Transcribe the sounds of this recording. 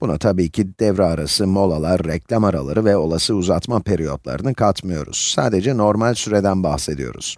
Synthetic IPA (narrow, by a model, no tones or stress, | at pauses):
b̥una̰t̪ʰabiːcʰid̪̥ɛvɾɛaɾasɯmo̞lˠalˠaɾːɛclʲamaɾa̰lˠa̰ɾɯvɛo̞lˠasɯuzat̪mapʰeɾijo̞d̪lˠa̰ɾɯnɯkʰat̪mɯjo̞̰ɾṵz̥saːd̪ed͡ʒɛno̞ɾmalʲsyɾed̪ænbaxsed̪ḭjo̞̰ɾṵz̥